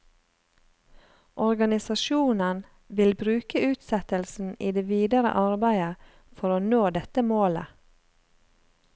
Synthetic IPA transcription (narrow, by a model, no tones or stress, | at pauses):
ʔɔɾɡɑnɪsɑʃuːnən | ʋɪlbɾʉːkəʉːt̪sɛt̪əlsn̩iːd̪eːʋiːd̪əɾə̰ʔɑɾbæɪə | fɔɾoːnoːd̪ɛt̪əmoːlə̰